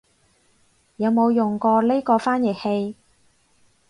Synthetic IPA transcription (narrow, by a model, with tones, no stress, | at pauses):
jɐ˨˧wmo˨˧wjʊ˨ŋkɔː˧le˥kɔː˧faː˥njɪ˨˩k̚he˧j